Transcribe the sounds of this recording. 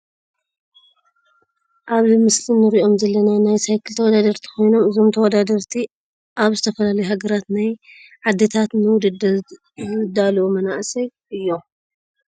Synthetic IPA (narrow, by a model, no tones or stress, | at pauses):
ʔaβzɨmɨslinːɨɾiʔo̞mzɐlːɐnajnajsajkʰɨlt̪ʰɐwɔd̪ad̪ɐɾt̪ʰi̥ko̞jno̞mɨzo̞mt̪ʰɐwɔd̪ad̪ɐɾt̪ʰi | ʔaβzɨt̪ʰɐfɐlalɐjuɦaɡɐɾat̪naj | ʕad̪ːɨt̪ʰat̪nɨwʊd̪d̪ | zd̪alɐwumɐnaʔsɐjʔɨjːo